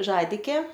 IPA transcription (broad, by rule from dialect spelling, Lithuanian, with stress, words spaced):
ˈʒɑːdʲɪkʲeː